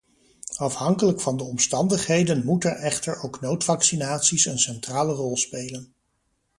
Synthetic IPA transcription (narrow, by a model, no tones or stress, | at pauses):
ɑfhɑŋkələkfɑndəɔmstɑndəχɦejdənmutɛɹʔɛχtəɹowknowtfɑksinaːtsisənsɛntraːlərɔlˠspejlən